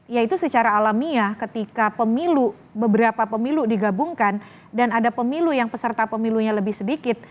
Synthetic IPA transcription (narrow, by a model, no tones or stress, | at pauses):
jait̪usət͡ʃaɾaːlamiakət̪ikapəmilu | bəbəɾapapəmiludiɡabuŋkan | danadapəmilujaŋpəsərt̪apəmiluɲaləbɪhsədikɪt̪̚